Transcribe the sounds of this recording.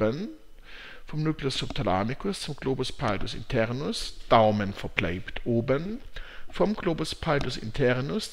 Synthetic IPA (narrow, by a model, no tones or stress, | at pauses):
ən | fɔmnʉklʊsɔpt̪ʰɑlɑ̰ːmɪkʉssɔmɡloːbʊspʰɑɪd̪ʊsɪ̰nt̪ʰɛʁnʊsd̪̥aʊmənfɔpʰlæɪbt̪ʰoːbənfɔmɡloːbʊspʰɑɪd̪ʊsɪ̰nt̪ʰɛʁnʊs